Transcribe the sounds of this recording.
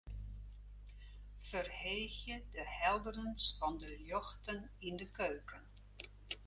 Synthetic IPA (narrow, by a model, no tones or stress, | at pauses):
fərheːxjədəhɛlˠdərənsfɑndəljɔxtənindəkøːkən